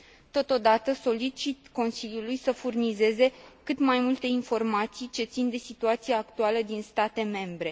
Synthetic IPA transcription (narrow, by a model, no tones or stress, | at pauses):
t̪o̞t̪o̞d̪at̪əso̞lit͡ʃit̪ko̞nsilʲjulujsəfurnize̞ze̞kɨt̪majmult̪e̞info̞rmat̪sijt͡ʃe̞t̪sind̪e̞sit̪uat̪sijeakt̪ualəd̪inst̪at̪e̞me̞mbɾe̞